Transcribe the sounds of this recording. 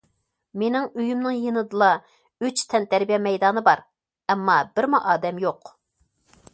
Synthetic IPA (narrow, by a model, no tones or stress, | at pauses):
menɪŋøjymnɨŋjenɨd̪ɨlˠɑ | yt͡ʃt̪ʰɛnt̪ʰæɾbijɛmɛjd̪ɑːnɨbɑɾ | ɛmːɑbɪɾmuʔɑːd̪ɛmjoq